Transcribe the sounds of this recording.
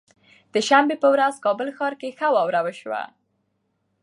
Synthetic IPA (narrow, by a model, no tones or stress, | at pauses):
d̪̥əʃambepəwɾazkɑbəlxɑɾkexawɑwɾawəʃwa̰